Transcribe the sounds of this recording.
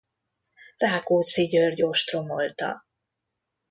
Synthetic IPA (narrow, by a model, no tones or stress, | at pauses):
raːkoːt̪siɟørɟo̞ʃt̪ro̞molt̪ɒ̰